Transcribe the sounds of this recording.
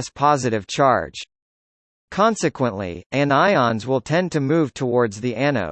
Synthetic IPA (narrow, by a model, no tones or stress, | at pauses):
spʰɑzɨɾɨv̥t͡ʃʰɑ̰ɹd̥ʒ̥ | kʰɑ̃nsɨkʰwə̃nʔlḭɨ̃naɪɑ̃nzwɪlˠtʰɛ̃ntʰɨmuv̥tʰəwɔɹdzðiʔæno̰ʊ